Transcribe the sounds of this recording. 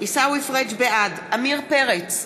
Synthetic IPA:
isawifʁet͡ʃbead | amiʁpeʁet͡s

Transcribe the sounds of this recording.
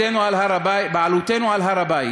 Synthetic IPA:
ɛnwalhaɾababalutɛnwalɦaɾabai

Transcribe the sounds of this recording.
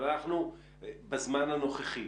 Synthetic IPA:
anaχnu | bazmanhano̞χeχi

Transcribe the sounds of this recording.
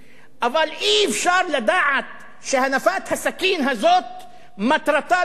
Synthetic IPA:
ʔavɑlʔiːvʃɑːɾˤlad̪aʕat̪̚ | ʃahanafaːt̪hasakiːnɦazoːt̪̚ | mat̪ɾˤɑt̪ɑː

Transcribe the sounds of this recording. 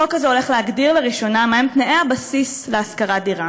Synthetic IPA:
okazeo̞le̞χleaɡdiʁleʁiʃo̞namaemt̪neʔeabasisleaskaʁadiʁa

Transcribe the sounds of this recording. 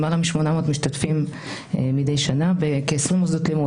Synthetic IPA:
malamiʃmo̞namotmiʃt̪atfim | mide̞jʃanavekeːsʁimoszdotlimu

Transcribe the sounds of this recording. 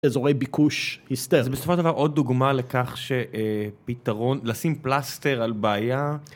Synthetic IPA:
ezoʁejbikuʃhist̪ezebesofoʃedavaʁʔo̞d̪̚ːuɡmalekaχʃeʔepitaʁo̞nlasimplaste̞ʁalbaːja

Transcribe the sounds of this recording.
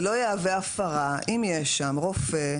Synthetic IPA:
lojeaveafaʁaʔimjeʃːamʁofe

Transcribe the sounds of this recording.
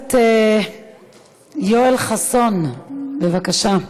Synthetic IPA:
t̪e | joelχasonbevakaʃa

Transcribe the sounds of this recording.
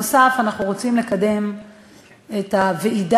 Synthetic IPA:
osafanaχnuʁo̞t͡simle̞kade̞m | etaveʔid

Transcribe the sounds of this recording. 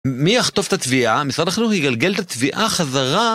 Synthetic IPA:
mijaχt̪o̞vt̪at̪viʔamisʁad̪aχluhiɡalɡe̞lt̪at̪viʔaχazaʁa

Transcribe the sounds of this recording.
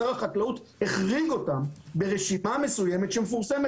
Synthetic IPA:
aʁaχatlaut̪ | heχʁiɡo̞tambe̞ʁeʃimame̞suje̞met̪ʃemefuʁse̞me

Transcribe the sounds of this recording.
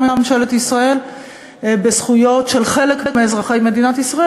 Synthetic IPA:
memnʃeletisʁae̞l | besχujo̞tʃe̞lχe̞lekekmeːzʁaχe̞jme̞dinat̪isʁae

